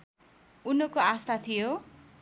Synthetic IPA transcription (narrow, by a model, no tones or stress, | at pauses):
unokoast̪ʰat̪ʰijo